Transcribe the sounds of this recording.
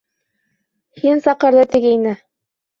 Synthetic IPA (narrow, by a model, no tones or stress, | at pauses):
hinsɑqɤ̆ɾðɤt̪ɘ̆ɡɘinɘ